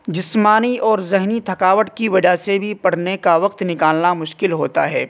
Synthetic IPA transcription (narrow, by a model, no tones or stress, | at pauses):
d͡ʒɪsmaːniɔːɾzɛɦnit̪ʰɐkaːʋəʈkiʋɐd͡ʒasebʱipɐɽ̤nekaʋɐq̚t̪nɪkaːlnamʊʃkɪlɦoːt̪a̰ɦɛː